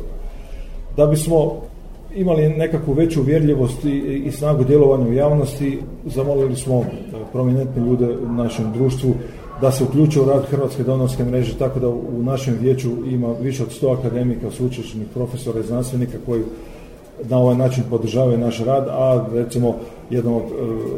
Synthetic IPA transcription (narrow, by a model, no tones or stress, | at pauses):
d̪abismo̞ | imaline̞kakʋuʋe̞t͡ɕuʋje̞ɾʎiʋo̞st̪iːsnaːɡud̪jelo̞ʋaɲaujaːʋno̞st̪i | zamo̞lilismo̞ | pɾo̞mine̞nt̪niʎuːd̪e̞unaʃe̞mud̪ɾuːʃt̪ʋu | d̪ase̞uklʲʎuːt͡ʃujeuɾaːd̪xr̩ʋat̪ske̞d̪o̞noɾske̞mɾe̞ːʒe̞t̪ako̞d̪aunaʃe̞mʋje̞ːt͡ɕuimaʋiʃeo̞d̪st̪o̞akad̪e̞mikasuut͡ʃeʃt͡ʃenixpɾo̞fe̞so̞ɾaiznanst̪ʋe̞nikako̞ji | nao̞ʋajnaːt͡ʃinpo̞d̪r̩ʒaːʋajunaʃɾaːd̪aɾe̞t̪simo̞ | je̞d̪nood̪